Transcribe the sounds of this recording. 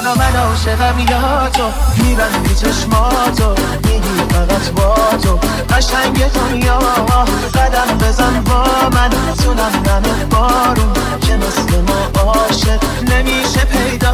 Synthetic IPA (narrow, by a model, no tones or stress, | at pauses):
lɔmænɔːʃeʁæbilɔt̪ʰomiːbænbit͡ʃʰeʃmɒːt̪ʰo | miːd̪iːfæʁæt̪ʰbɔːt̪ʰo | ɢæʃæɲɟet̪ʰonjɒː | bæd̪æmbezænbɒːmæn | t̪ʰunæmnæmebɔːɾum | cʰemeslemɔːbɒːʃe | nemiːʃepʰejd̪ɒː